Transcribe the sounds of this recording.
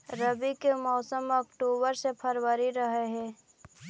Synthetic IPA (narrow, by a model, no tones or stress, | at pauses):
ɾəbikemɔːsəmɔkʈoːbəɾsepʰəɾwəɾiɾəɦeɦɛ̃ː